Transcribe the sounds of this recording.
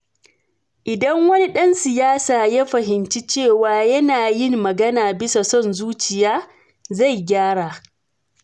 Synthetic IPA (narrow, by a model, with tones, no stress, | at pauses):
ʔɪ˨dɐ˦ŋwɐ˦ni˦ɗɐ˦nsɪ˨jaː˦saː˨ja˦ɸɐ˨ɦɪ˨nt͡ʃi˦t͡ʃeː˦˨waː˨˦jɐ˦naː˨jɪ˦mːɐ˨ɡɐ˦naː˨bɪ˦sa˨sɔ˦˨nzuː˦t͡ʃɪ˨jaː˦ | za˦˨jɡʲaː˦ɽaː˨